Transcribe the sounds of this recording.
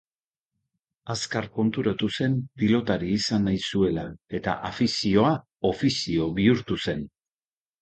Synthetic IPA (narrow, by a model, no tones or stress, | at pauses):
askaɾko̞nt̪uɾat̪use̞mpilo̞t̪aɾiːsanajsue̞lae̞t̪a̰ʔafisio̞a | o̞fisio̞βiuɾt̪use̞n